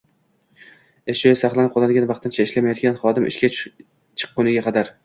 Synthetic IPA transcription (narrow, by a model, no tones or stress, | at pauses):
eʃojasɑχlˠanɪp̚qʰɒlˠanɡʲanvɑqt̪ʰɪnt͡ʃʰaɪʃlamajɒt̪kʲanχɒd̪ɪmʔɪ̰ʃkʲa | t͡ʃʰɨ̥qːonɪɡʲaqʰɑd̪aɾ